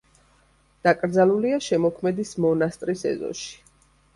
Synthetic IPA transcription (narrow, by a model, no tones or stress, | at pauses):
d̪̥akʼɾd̪zaluliaʃɛmɔkʰmɛd̪ismɔnast̪ʼɾisɛ̰zɔ̰ʃi̥